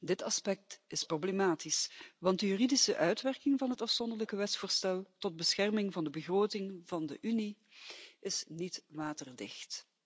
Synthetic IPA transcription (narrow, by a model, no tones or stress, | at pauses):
dɪtɑspɛk̚tɪsproblemaːtisʋɑntdəjyridisəʔœɥtʋɛrkɪŋvɑnɦətɑfsɔndərləkəʋɛtsfoːɹstɛlˠtɔd̚bəsxɛrmɪŋvɑndəbəɣroːtɪŋvɑndəʔyni | ɪsnitʋaːtərdɪ̰xt